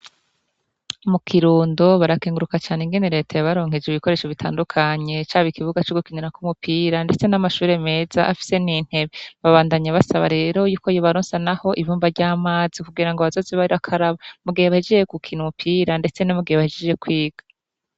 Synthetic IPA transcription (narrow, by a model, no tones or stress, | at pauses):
mukʰiɾuːndoβaɾakeːŋɡuɾukat͡ʃaːneŋɡe̞ne̞ɾe̞ːtʰajoβaɾo̞ːŋ̥ed͡ʒeiβiko̞ɾe̞ːʃoβitʰa̰ːndukʰaɲe̞t͡ʃaːβikiβuɡat͡ʃoɡukiɲinakumupʰiːɾande̞t͡se̞namaʃuːɾe̞me̞ːzaʔafi̥se̞nin̥he̞βeβaβaːndaɲaβasaβa̰ɾe̞ːɾo̞juːko̞joβaɾoːnsanaho̞ʔivuːmbaɾɟaːmaːz̥ikuɡiɾaŋɡoβazo̞ːzeβaɾiβakʰaɾaβamuɡiheβahed͡ʒed͡ʒekukʰiːnumupʰiːɾande̞t͡se̞nomuɡiheβahed͡ʒed͡ʒe̞kwiːɡ̥a